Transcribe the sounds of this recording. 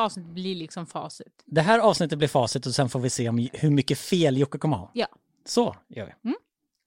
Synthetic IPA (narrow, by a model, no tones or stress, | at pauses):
ɑːvsnɪt̪ːət̪̚blɪɭɪksɔmfɑ̰ːsɪt̪d̪ɛɦæːɾɑːvsnɪt̪ːət̪̚lɪɾfɑːsɪt̪ɔsɛnfoːɾvɪseːɔmhɵɾmʏkːəfeːljʊkːakʰɔmːəhɑ̰ːjɑː | sɔjœ̰ːɾvɪ̰